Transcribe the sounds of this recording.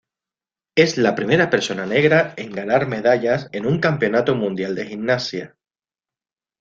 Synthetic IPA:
e̞zlapɾime̞ɾape̞ɾso̞nane̞ɣ̞ɾae̞ŋɡanaɾme̞ðaʎase̞nũŋkampeo̞nat̪omũnd̪jald̪e̞xinnasja

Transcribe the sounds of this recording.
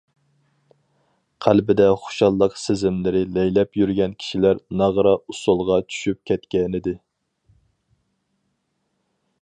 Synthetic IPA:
qʰælbɪd̪ɛχʊ̥ʃɑlˠːəqsɪzɪmlɪɾɪlɛjlɛpjyɾɡʲɛnkʲʰi̥ʃilæɾnɑʁɾɑusolˠʁɑt͡ʃʰy̥ʃyp̚kʲʰɛt̪kʲɛnɪd̪ɪ

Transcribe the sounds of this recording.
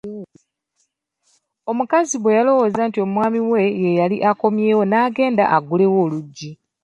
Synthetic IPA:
o̞mukaziβwe̞jalo̞wo̞ːzaːntio̞mumwaːmiwe̞je̞jaliʔako̞mje̞ːwo̞naːɡe̞ːnda̰ʔaɡule̞wo̞ːluɟːi

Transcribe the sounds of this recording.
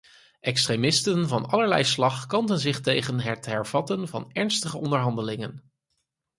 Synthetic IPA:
ʔɛkstremɪstənvɑnɑləɹlɛjslɑχkɑndənzɪχtejχənɦɛtɦɛɹv̥ɑtənvɑ̰nɛɹnstəχəɔndəɹɦɑndəlɪŋən

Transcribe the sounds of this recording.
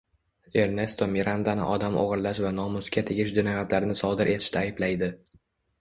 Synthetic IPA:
e̞ɾne̞st̪omiɾand̪anɪ̰ʔɒd̪amʔo̰ʁɨɾlaʃvanɒmʊskʲʰat̪ʰeɡʲɪʃd͡ʒɪnɒjat̪laɾɪnɪsɒd̪ɪɾʔe̞t̪ʰɪ̥ʃt̪aːjɪblajd̪ɪ

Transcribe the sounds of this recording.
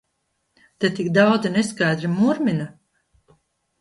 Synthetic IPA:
t̪et̪ikd̪awd̪zineskajd̪ɾimuɾmina

